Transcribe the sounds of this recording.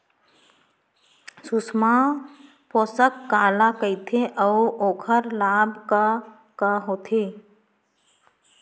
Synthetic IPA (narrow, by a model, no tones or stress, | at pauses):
susma | poːsəkːaːlakəɪt̪ʰeʔəʔoːkʰəɾlaːbka | kaɦoːt̪ʰeː